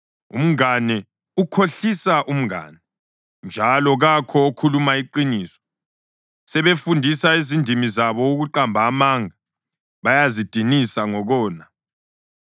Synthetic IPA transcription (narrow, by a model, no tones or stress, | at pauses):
ṵm̩anɛ | ukʰoɬisaʔum̩a̰ːnɛ | nd͡ʒʱalɔɣakʰɔokʰulumaiǃiniːsɔ̥ | sɛβefundʱisaezindʱimizaβɔuɣuǃambʱaːmaŋa | βajazid̥ʱinisaŋɔɣɔːna